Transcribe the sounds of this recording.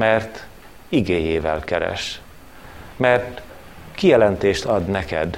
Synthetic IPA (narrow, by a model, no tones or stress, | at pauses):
mɛrt̪ | iɡeːjeːvɛ̰lkɛɾɛ̰ʃ | mɛrt̪ | kijɛlɛnt̪eːʃt̪ɒd̪nɛkɛ̰d̪